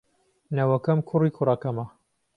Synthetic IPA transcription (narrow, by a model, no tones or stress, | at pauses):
nɐwɐkɐmkʰʊriːkʰʊrɐkɐmɐ